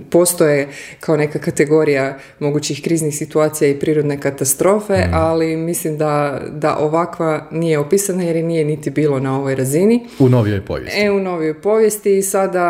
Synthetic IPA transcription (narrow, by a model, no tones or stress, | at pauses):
po̞st̪o̞je̞kʰaone̞kakat̪e̞ɡo̞ɾija | mo̞ɡut͡ɕixkɾiːznixsit̪uaːt̪sijaipɾiːɾo̞d̪ne̞kat̪ast̪ɾo̞ːfe̞ʔalimislimd̪ad̪a̰ʔo̞ʋakʋanije̞opiːsanajeɾnije̞nit̪ibiːlonao̞ʋo̞jɾazini | unoʋio̰jpo̰ʋjḛseuno̞ʋijo̞jpo̞ʋje̞st̪iːsad̪a